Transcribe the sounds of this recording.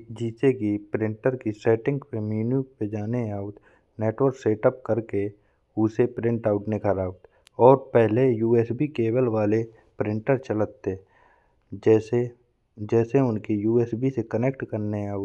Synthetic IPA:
d͡ʒiːsekipɾɪ̃ɳʈəɾkisɛːʈɪ̃ŋɡpemjuːnjuk̚ped͡ʒaːneaːut̪ | neːʈwəɾkseːʈəp̚kəɾke | usepɾɪ̃ɳʈaːʊʈnekʰəɾaːʊt̪ | ɔːɾpɛɦlejuːeːsbikeːbəlwaːle | pɾɪ̃ɳʈəɾt͡ʃələt̪ːe | d͡ʒse | d͡ʒɛːseʊnkijuːeːsbisekənekʈkəɾneaːut̪

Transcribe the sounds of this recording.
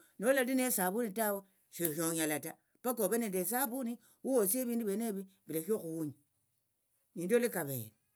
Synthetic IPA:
nolalinesaβunitawe | ʃoʃoɲalata | pakoβenendes̬aβuni | wuwosieβiːnduβeneβibilaʃoxuuɲa | niːndolikaβḛle

